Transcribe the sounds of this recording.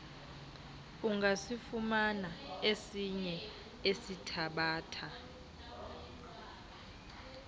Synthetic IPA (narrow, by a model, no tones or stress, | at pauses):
uŋɡasifumanaesiɲɛ | esitʰaɓaːtʰa